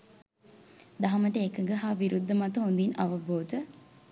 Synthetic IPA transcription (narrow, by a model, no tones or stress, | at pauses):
d̪aɦɐməʈəekəŋɡəɦaːʋiɾud̪ʱːəmat̪əɦond̪inɐʋəboːd̪ə